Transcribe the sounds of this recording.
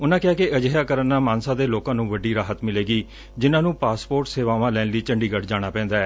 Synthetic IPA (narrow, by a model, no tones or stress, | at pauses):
ʊnãːkɪjaːkeʔəd͡ʒɦjaːkəɾənːaːmaːnsãːd̪eːloːkãːnũːʋəɖiːɾaːɦət̪mɪleːɡiː | d͡ʒɪnãːnũːpaːspoːɾʈseːʋaːʋãːlɛːnliːt͡ʃəɳɖiːɡəʈd͡ʒaːɽ̃aːpɛ̃ːnd̪aːɛː